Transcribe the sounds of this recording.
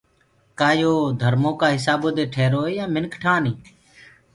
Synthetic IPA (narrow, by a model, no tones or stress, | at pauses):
kaːjoːd̪ʱəɾmõːkaːɦɪsaːboːd̪eːʈʰeːɾoːeːjãːmɪnkʈʰaːnĩː